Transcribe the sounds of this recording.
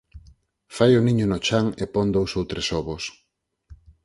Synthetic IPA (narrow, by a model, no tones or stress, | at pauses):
fajʊnĩɲʊnot͡ʃaŋepɔŋd̪owsowt̪ɾesɔβos